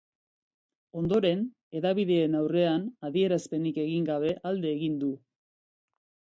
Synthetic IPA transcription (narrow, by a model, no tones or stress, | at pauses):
o̞nd̪o̞ɾe̞n | e̞ðaβiðe̞ːnawre̞anaðie̞ɾaspe̞nike̞ɣiŋɡaβe̞ʔald̪e̞ːɣind̪u